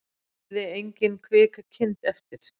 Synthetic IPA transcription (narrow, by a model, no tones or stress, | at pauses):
ðɪejɲcɪnkʰvɪːkacʰɪnt̪ɛft̪ɪɾ̥